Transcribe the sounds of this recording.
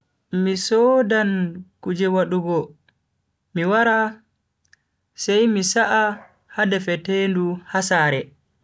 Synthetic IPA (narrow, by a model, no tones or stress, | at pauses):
misɔdankud͡ʒɛwaɗuɡɔ | miwaɾa | sɛjmisaʔa | hadɛfɛtenduhasaːɾɛ